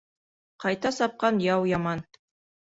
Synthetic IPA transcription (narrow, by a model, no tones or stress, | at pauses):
qɑjt̪ɑsɑp̚qɑnjɑwjɑmɑn